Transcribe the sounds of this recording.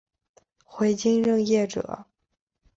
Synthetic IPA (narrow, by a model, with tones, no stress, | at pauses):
xwe˧˥ɪt͡ɕi˥nɻɤ˥˧ŋjɛ˥˩ʈ͡ʂɤ̰˨˩˦